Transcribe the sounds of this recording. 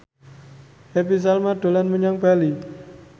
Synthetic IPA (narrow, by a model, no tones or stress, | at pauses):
ʔepis̬almaɖ̪̥o̤lanməɲaŋb̥ali